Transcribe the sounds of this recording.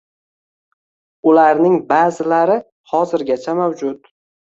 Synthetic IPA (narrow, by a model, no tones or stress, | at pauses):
ʊlaɾnɪŋbazɪlaɾɪ | hɒzɪɾɡʲat͡ʃʰamawd͡ʒʊt̪